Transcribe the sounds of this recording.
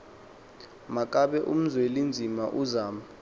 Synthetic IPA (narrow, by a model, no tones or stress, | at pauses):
mak̬ʼaɓɛʔṵm̩zwelind͡zʱima̰ʔuzaːma